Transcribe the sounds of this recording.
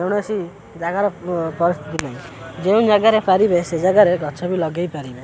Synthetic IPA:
ewɽ̃esi | d͡ʒaɡaɾɔpɔɾist̪ʰit̪ipaĩ | d͡ʒeũd͡ʒaɡaɾepaɾibesed͡ʒaɡaɾeɡʱɔt͡ʃʰɔbilɔɡajpaɾibe

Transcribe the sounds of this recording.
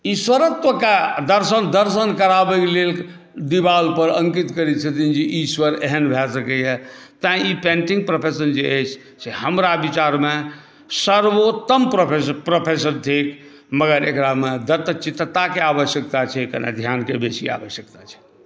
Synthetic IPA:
iswəɾət̪əked̪əɾsənd̪əɾs̬ənkəɾabɛkelel | d̪ibalpəɾə̃ŋkit̪kəɾit͡ʃʰət̪ind͡ʒiʔiswəɾeɦənbʱɛsəkɛjɛt̪əĩipẽɳʈĩŋɡ̚pɾopʰesənd͡ʒeət͡ʃʰ | seɦəmɾabit͡ʃaɾme | səɾʋot̪əmpɾopʰepɾopʰes̬ənt̪ʰik | məɡəɾekɾamed̪ət̪ət͡ʃit̪t̪akeabəsjək̚t̪at͡ʃʰɛkə̰na̰d̪ʱjankebesia̰ʋəsjək̚t̪at͡ʃʰɛ̥

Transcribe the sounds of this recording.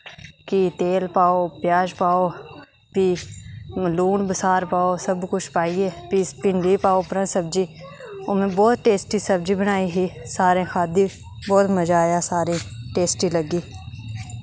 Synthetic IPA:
kit̪eːlpaːopjaːd͡ʒpaːo | pi | luːnbəsaːɾpaːosəbkʊt͡ʃʰpaːiepiːpɪ̃ɳɖipaːopɾə̃səb̚d͡ʒiːʊmẽbɔːt̪ʈeːsʈisəbd͡ʒibəñaːiɦisaːɾẽxaːd̪i | bɔːt̪məd͡ʒaːjasaːɾĩʈeːsʈiləɡiː

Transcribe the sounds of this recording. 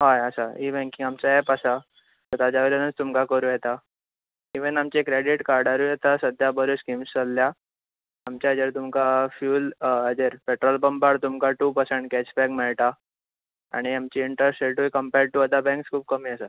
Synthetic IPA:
ɦajəsaiːbɛ̃ŋkĩŋɡamt͡ɕaepasa | t̪əɾt̪ad͡ʑaʋeɾenət͡st̪umkakəɾuːjɛt̪a | iʋənamt͡ɕekɾeɖiʈkaɾɖaɾuːjet̪asəd̪ʱjabəɾuskimst͡səlːjaː | mt͡ɕad͡ʑeɾt̪umkafjuːləd͡ʑeɾpeʈɾɔlbəmbaɾt̪umkaʈupəɾsẽɳʈkɛt͡ɕbɛ̃kmeɭʈ̪a | a̰ɽ̃iamt͡ɕiːɳʈəsʈeʈuikəmpɛɾ̚ʈuəd̪abɛ̃ŋkskʰuːp̚kəmiːəsa

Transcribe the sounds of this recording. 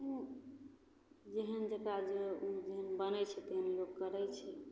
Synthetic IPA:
ũ | d͡ʒeɦənd͡ʒəkad͡ʒeũd͡ʒeɦənbənɛt͡ʃʰɛt̪əɦənloɡkəɾɛt͡ʃʰɛ

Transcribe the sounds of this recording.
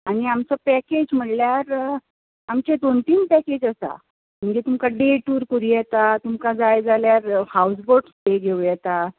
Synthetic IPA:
añiamt͡səpɛked͡ʑm̤əɽljaɾ | amt͡ɕed̪ont̪iːnpɛked͡ʑəsa̰ | m̤əd͡ʑet̪umkaɖeʈuːɾkuɾijɛt̪at̪umkad͡zajd͡zaljaɾhaws̬boɾʈsd̪eɡʱeʋujɛt̪a

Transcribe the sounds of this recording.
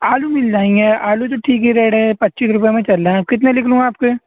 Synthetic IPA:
aːlumɪld͡ʒaːĩŋɡeːaːlut̪̬oʈʰiːkɦɛɾɛːɽepɐt̪ːt͡ʃiːsɾʊp̬jemẽt͡ʃɐlːeɛ̃kɪt̪̬nelɪkʰlũːaːp̚ke

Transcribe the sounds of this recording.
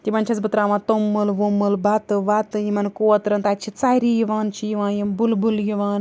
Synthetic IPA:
t̪imɐnt͡ʃʰɐzbɨt̪ɾaːʋãːnt̪omːɨlʋomɨlbɐt̪ɨʋat̪ɨjimɐnkoːɐt̪ɾɐnt̪at͡ʃʰit͡saɾijiʋaːnt͡ʃʰijiʋãːnjimbulbuljiʋaːn

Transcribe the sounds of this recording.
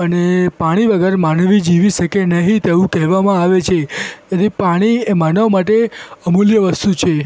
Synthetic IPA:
ənepaɽ̃iʋəɡəɾmanʋid͡ʒiʋiʃəkenəɦĩt̪eʋũkɛɦʋamãaʋet͡ʃʰeeɾipaɽ̃iemanəʋmaʈ̬eəmoljəʋəst̪ut͡ʃʰe

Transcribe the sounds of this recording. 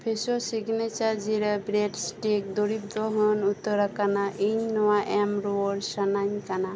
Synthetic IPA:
pʰesosiɡnet͡ʃaɾd͡ʒiɾəbɾeʈsʈek̚d̪oɾip̚d̪ɔɦənut̪əɾakanaʔiɲnɔwaʔɛmɾɔɔɽsanaɲkana

